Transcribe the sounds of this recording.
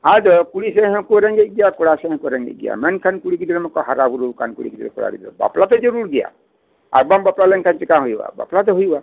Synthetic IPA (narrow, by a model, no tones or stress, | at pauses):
ad͡ʒɔkuɽiseɦɔ̃kuɾɛŋɡeɡijakɔɽasɛ̃ɦɔ̃kuɾɛŋɡḛɡḭja̰mɛnkʰankuɽikid̪iɾɛmɔkɔɦaɾabuɾukankṵɽḭkid̪iɾɛkɔɽa̰ɾḭb̪ɔ̰ba̰plat̪ɔd͡ʒɔɾuɾɡɛja̰ | a̰k̚bambaplalɛŋkʰant͡ʃikaɦojba̰ba̰plat̪̬ɔɦujba